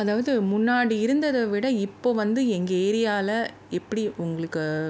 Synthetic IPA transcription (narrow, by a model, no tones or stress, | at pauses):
ɐðaːʋɐðɯmʊnːaːɽiɪɾɯnd̪ɐðɐʋɪɽɐɪpːoːʋɐnd̪ɯɛŋɡɐeːɾɪjaːlɐ | ɛpːɐɽiʔʊŋɡɐɭɯkːɯ